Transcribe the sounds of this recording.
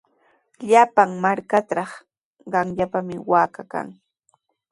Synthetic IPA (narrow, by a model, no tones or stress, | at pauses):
ʎapaŋmaɾkat̪ɾɑχ | ɢɑŋʎapamɪwaːkaka̰ŋ